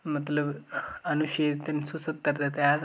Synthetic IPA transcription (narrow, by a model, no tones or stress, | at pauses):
mɐt̪ləbɐnuɕeɾt̪ɐnsusɐt̪ːɐɾt̪at̪ja